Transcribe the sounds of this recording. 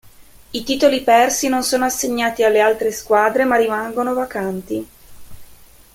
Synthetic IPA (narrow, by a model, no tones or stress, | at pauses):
it̪iːt̪olipɛrsinonsoːnoasːeɲːaːt̪ialːealt̪ɾeskwaːd̪ɾemarːimaŋɡonovakant̪i